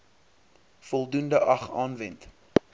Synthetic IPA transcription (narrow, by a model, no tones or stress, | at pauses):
fɔlˠdundəʔɐχɑːnvɛnt